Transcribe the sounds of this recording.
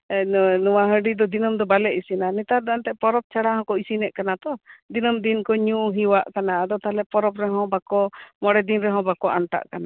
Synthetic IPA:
nuwaɦə̃ɖid̪ɔd̪inɔmd̪ɔbalɛʔisinanɛt̪aɾd̪aant̪ɛʔpɔɾɔp̚t͡ʃʰaɽaɦɔ̃kɔisinɛʔkanat̪ɔd̪inɔmd̪inkɔɲũɦiwaʔkanaʔad̪ɔt̪alɛpɔɾɔpɾɛɦɔ̃bakɔmɔɽɛd̪inɾɛɦɔ̃bakɔʔanʈa̰ʔkana

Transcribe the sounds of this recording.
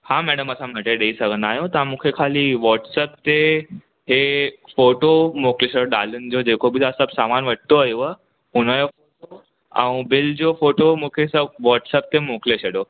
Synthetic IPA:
hãmɛɽəməsãm̤əʈ̪eɖeisəɡənajot̪ãmukʰekʰaliːʋɔʈsəp̚t̪e | ɦefoʈomokʰleɕeɽoɖalund͡ʑod͡ʑekʰobit̪əsəbsamanʋəʈt̪oəjʋə | unəjofoʈo | ã̰w̃bild͡ʑofoʈomukʰesəb̚ʋɔʈsəp̚t̪emokʰleɕeɽo

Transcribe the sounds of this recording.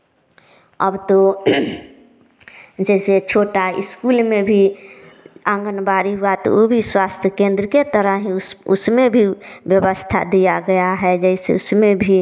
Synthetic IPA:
ə̰bt̪o | d͡ʒɛɪset͡ʃʰoʈaḭskulmebʱi | ãŋɡənbaɾiɦuat̪o̰obʱiswast̪ʰjəkẽnd̪ɾəket̪əɾəɦĩʊsmebʱibjəbəst̪ʰa̰d̪ijaɡəjaɦɛd͡ʒɛɪsḛʊsmebʱi

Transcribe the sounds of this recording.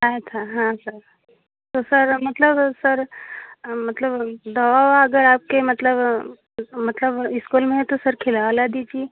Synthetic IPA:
aet̪ʰaɦãsəɾ | t̪osəɾmət̪ləbsəɾ | mət̪ləbd̪əʋawaɐɡəɾaːp̚kemət̪ləb | mət̪ləbɪskulmẽɦɛt̪osəɾkʰelalad̪it͡ʃi

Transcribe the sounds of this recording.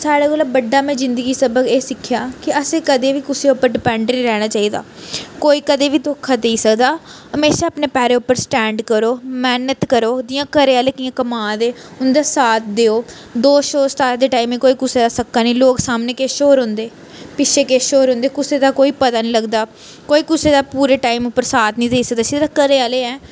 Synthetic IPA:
saːɽaːkoːlabəɖːaːmẽːzɪnd̪əɡiːsəbəkeːsɪkʰːjaːkɪəseːkəd̪eːʋiːkʊseːʊpːəɾɖɪpɛ̃ːɳɖəɾiːɾɛːɽ̃aːt͡ʃaːiːd̪a̰ːkoːiːkəd̪eːʋiːt̪oːkʰːaːd̪eiːsəkd̪aːɦəmeːʃaːapneːpɛːɾeːʊpːəɾsʈɛːɳɖkəɾoːmɛːnət̪kəɾoːd̪iːjãːkəɾeaːləkijãːkəmaːd̪eːʊnd̪aːsaːt̪̚d̪eːoː | d̪oːʃoːst̪aːd̪eːʈaːiːmĩːkoːiːkʊseːd̪aːsəkːaːniːloːksaːmneːkeːʃoːɾɦʊ̃nd̪eː | pɪt͡ʃʰeːkeːʃoːɾɦʊ̃nd̪eːkʊseːd̪aːkoːiːpət̪aːnĩːləɡd̪aː | koːiːkʊseːd̪aːpuːɾeːʈaːimʊpːəɾsaːt̪nĩːd̪eiːsək̚d̪aːsid̪aːkəɾeːaːleːɛː

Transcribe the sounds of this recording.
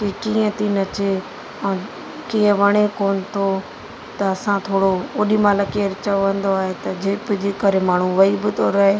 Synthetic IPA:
kikiːə̃t̪ʰinɐt͡ɕe | ɛ̃ː | kiːə̃ʋɐɽ̃ekoːnɪ̆t̪ʰo | t̪ɐɐsãt̪ʰoːɽoʊɗimaːləkeːɾt͡ɕɐoʋə̃nd̪oaːɦet̪ɐd͡ʑeːbɪd͡ʑeːkɐɾemaːɳ̤̃uʋɐibɪt̪ʰoɾɐɦeː

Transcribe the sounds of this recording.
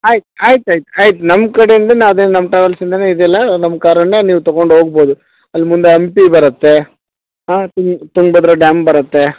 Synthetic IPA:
aːjit̪uaːjt̪aːjit̪uaːjit̪̬unɐmːkɐɽejɐnd̪ɐnːɐd̪ennɐmːɐʈɾaːʋelsind̪ɐneid̪ɛlːɐnɐmːkaːɾɐɳːeniːʋut̪ɐɣoɳɖɦoːɡ̚bo̞ːd̪u | ɐlːmund̪eɐmpibɐɾɐt̪ːe̞ | aːt̪uŋt̪uŋɡbɐd̪ɾoɖaːmbɐɾɐt̪ːe̞

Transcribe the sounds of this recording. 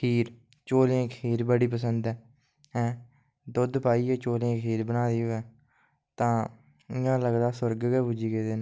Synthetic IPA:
kʰiːɾ | t͡ʃoːlẽːkʰiːɾbəɽiːp̬əsənd̪ɛː | ɦɛ̃ː | d̪ʊd̪paːiːɛːt͡ʃoːlẽːkʰiːɾbənaːd̪iːoɛː | t̪ãː | ɪjãːləɡd̪aːsəɾɡɡɛːbud͡ʒiːɡeːd̪eːnː

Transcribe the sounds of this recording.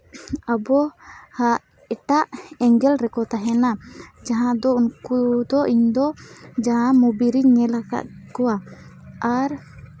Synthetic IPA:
abɔhaʔ | ɛʈaʔɛŋɡɛlɾɛkɔt̪aɦɛnad͡ʒaɦãd̪ɔunkud̪ɔʔiɲd̪ɔd͡ʒaɦãmubiɾiɲɛlaka̰ʔ̪kɔwa | aɾ

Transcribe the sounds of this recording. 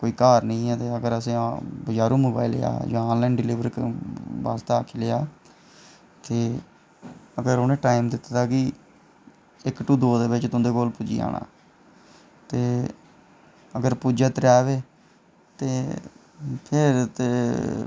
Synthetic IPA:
koːiːkaːɾnəĩːɛːt̪eːəɡəɾəsẽːbəd͡ʒaːɾũːmoːbaːilḛja̰ːjãːõːnlɛːnɖɪliːʋɾkʋa̰ːst̪aːakʰiːlɪjaː | t̪eː | əɡəɾonẽːʈaːɪmd̪ɪt̪ːt̪aːkɪ | ɪkʈuːd̪oːd̪eːbɪt͡ʃt̪ʊ̃nd̪eːkoːlpuːd͡ʒḭːa̰ːɳʔã̰ː | t̪eː | əɡəɾpuːd͡ʒaːt̪ɾaːʋeː | t̪eː | pʰɪɾt̪eː

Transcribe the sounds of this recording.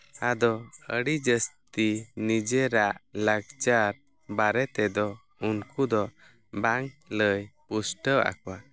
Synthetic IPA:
ad̪ɔəɽid͡ʒəst̪inid͡ʒɛɾaʔlaɡt͡ʃaɾ | baɾɛt̪ɛd̪ɔ | unkud̪ɔ | baŋləjpusʈəʔa̰kuwa

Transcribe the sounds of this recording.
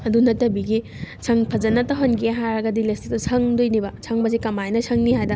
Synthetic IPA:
ɐdunɐtɐbiɡi | sʰɐŋpʰɐd͡ʒɐnɐtɐɦɐnɡiɦaɾɐɡɐdilestik̚tɐsʰɐŋdojnibɐsʰɐŋbɐzikɐmajnɐsʰɐŋniɦajdɐ

